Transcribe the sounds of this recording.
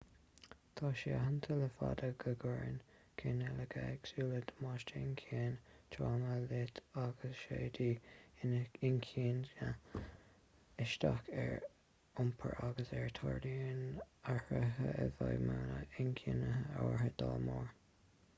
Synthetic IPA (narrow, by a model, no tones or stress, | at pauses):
t̪ʰɑːʃiːaɦant̪ʰələfad̪əɡəɡɔɹn | kʰenɛləɡaɡsuːləd̪əmɑːʃtəɪnkʰiːnt̪ʰɾaːməlɪt̪aɡ̥əsʃeːd̪iːnɪnkʰiːnə | ɪʃt̪akɛɹ | ʊmpʰə̰ɹʔaɡəsɛɹt̪ʰɑɹdiɪnahəɦəəvɑjmaːnəɪnkʰiːnəəɔɹɦəd̪̥ɑlmoːɹ